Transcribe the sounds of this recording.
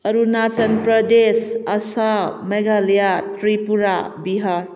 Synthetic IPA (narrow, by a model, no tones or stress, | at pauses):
ʌɾunat͡ʃənpɾʌd̪esʌsameɡaljat̪ɾipuɾabiɦaɾ